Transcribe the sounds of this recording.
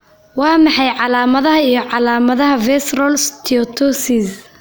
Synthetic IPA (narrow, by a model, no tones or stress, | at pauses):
wɑːmɑħɑjʕɑlaːmɐðɐɦɐijɔʕɑlaːmɐðɐɦɐvɛsrɔlst̪ʰiɔt̪ʰɔsis